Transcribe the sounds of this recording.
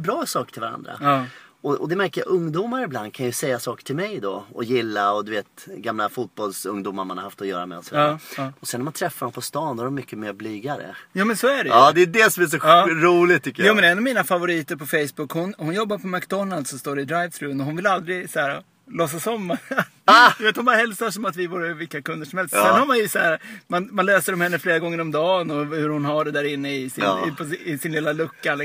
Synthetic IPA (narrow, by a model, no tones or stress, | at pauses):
bɾɑːsɑːkʈʰɪlvaɾa̰nd̪ɾa̰ːɔɔd̪ɛmæɾkəja̰ʔɵŋd̪uːmaɾɪbland̪̚kʰanjɵsɛjːasɑːkə̥ʈʰɪlmɛjd̪ɔɔ̰jɪlːaɔd̪ɵveːt̪̚ɡamlafuːt̪̚bɔlsɵ̰ŋd̪uːmaɾmanha̰ɾhaft̪ɔjœ̰ːɾa̰mɛ̰ɔ̰sɔviːaɔsɛnːæmant̪ʰɾɛfːaɾɔmpʰɔst̪ɑːnd̪ɔæɾɔmːʏkːəmeɾblyːɡaɾə̰juːmɛnsɔæɖɛjɑd̪ɛːd̪ɛsɔmæʂ̬ɔɑɾuːlɪt̪ʰːʏkːəjuːɛnɛnːɔvmiːnafavʊɾiːt̪əɾpʰɔfɛjsbʊkːhʊnhʊnjɔbːaɾpʰɔmakd̪ɔnald̪sɔmst̪oːɾɛɪd̪ɾaj̪sɾʉmnɔɦʊnvɪlald̪ɾɪsaæːɾa̰ | lɔs̬ːasɔmːa | d̪ɵveːt̪hʊnbɑːɾaɦɛlsaʂɔmat̪vɪvuːɾəvɪlkːakɵnd̪əʂɔmhɛlst̪sɛnhaɾmanjɵsaæːɾamanmanløːsəɖɔmhɛnːəfleːɾaɡɔŋːəɾɔmd̪ɑːnɔhɵɾhʊnɦaɖɛd̪æːɾɪnːəɪsɪn̰ɪpʰɔɪsɪnlɪːlalɵkːal